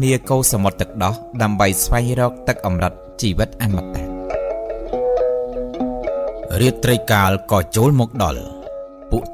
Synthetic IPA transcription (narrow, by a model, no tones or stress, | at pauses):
niəkoːsɑmot̪ːɨk̚ɗɑhɗaəmɓəjsʋaɛŋrɔːk̚t̪ɨk̚ʔɑmrət̪̚t͡ɕiːʋɨt̪̚ʔaːnmat̪a̰ | riət̪ːrəjkaːlkɑːt͡ɕoːlmɔːk̚ɗɑ̰l | puəʔ